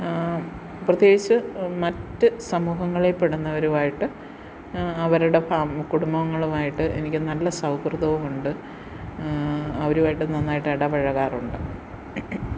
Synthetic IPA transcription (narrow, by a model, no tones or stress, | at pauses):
prɐt̪jeːɡit͡ɕːɨmɐtːɨsɐmuːɦɐŋːɐɭepeɽunːɐʋɐɾumaːjiʈːɨ | ɐʋɐɾuɽe̞aːmkuɽumbɐʋɐŋːɐɭumaːjiʈːɨʔe̞̰nikʲːɨnɐlːɐsɐwkrɨðɐʋumuɳɖɨ | ɐʋɐɾuʋaːjiʈːɨnɐnːaːjiʈːɨeɽɐʋɐɻɐɣaːruɳɖɨ